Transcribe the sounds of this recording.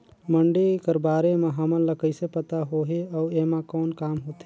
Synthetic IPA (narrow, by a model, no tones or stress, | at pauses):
məɳɖikəɾbaːɾemãɦəmənləkəɪsepət̪aɦoːɦeɔːeːmãkɔːnkaːmɦoːt̪e